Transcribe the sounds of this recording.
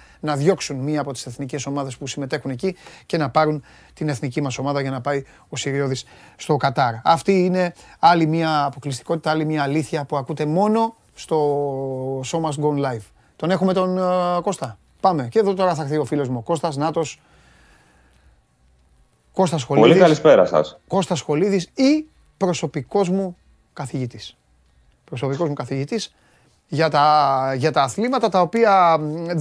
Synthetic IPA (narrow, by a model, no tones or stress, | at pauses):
nɐðʝo̞ksunmiɐːpo̞t̪i̥se̞θnice̞so̞mɐðe̞spusime̞t̪e̞xunecice̞nɐpɐɾun | t̪ine̞θnicimɐso̞mɐðɐʝɐnɐpɐi | o̞siɾio̞ðis | st̪o̞kɐt̪ɐɾɐft̪iine̞ɐlimiɐːpo̞klist̪i̥ko̞t̪i̥t̪ɐalimiɐːliθçɐpuɐkut̪e̞mo̞no̞ | st̪o̞ | so̞mɐsɡonlɐjv | t̪o̞ne̞xume̞t̪o̞nko̞st̪ɐ | pɐme̞ce̞ðo̞t̪o̞ɾɐθɐɾθio̞filo̞zmuoko̞st̪ɐznɐt̪o̞s | ko̞st̪ɐsxo̞lpoliikɐlispeɾɐ̰sɐ̰sko̞st̪ɐsxo̞liðisi | pɾo̞so̞piko̞zmu | kɐθiʝit̪is | pɾo̞so̞piko̞zmukɐθiʝit̪is | ʝɐt̪ɐʝɐt̪ɐːθlimɐt̪ɐt̪ɐo̞piɐ